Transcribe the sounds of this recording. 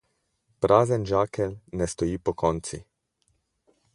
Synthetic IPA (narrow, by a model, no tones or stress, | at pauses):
pɾʔaːzɛnd͡ʒaːkɛlnɛst̪ɔjiːpɔkʰɔnt̪sḭ